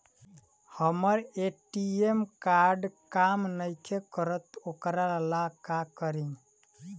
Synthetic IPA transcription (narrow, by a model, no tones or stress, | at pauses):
həməɾeʈiemkaɾɖkamnəjkʰekəɾət̪okɾaɾəlakakəɾin